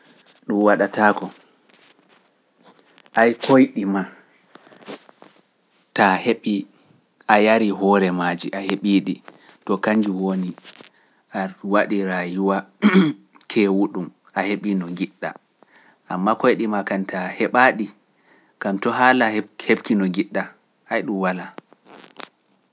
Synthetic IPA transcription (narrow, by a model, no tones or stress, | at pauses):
ɗumwaɗataːkɔ | ʔajkojɗima | taheɓi | ʔajaɾiɦɔɾɛmad͡ʒiʔaheɓiːɗi | tɔkaɲd͡ʒiwoni | ʔawaɗiɾajuwa | kʰɛwuɗum | ʔaheɓinɔɡiɗːa̰ | ʔamːakojɗimakantʰahɛɓaɗi | kamtɔɦalahhebkinɔɡiɗːa | ʔajɗumwala